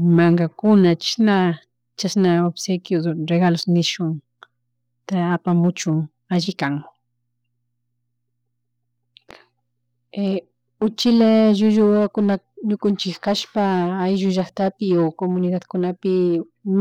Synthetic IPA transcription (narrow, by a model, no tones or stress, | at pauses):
maŋɡakʊnat͡ʃna | t͡ʃasnaobsejkɪɾeɡalosnɪʃʊŋ | t̪aːpamʊt͡ʃʊŋ | aʒɪkaŋ | e | ʊt͡ʃɪlaʒʊʒʊakʊnaɲʊkʊnt͡ʃɪkkaʃpaajʒʊʒaχt̪apɪokomʊnɪd̪ad̪kʊnapɪ | m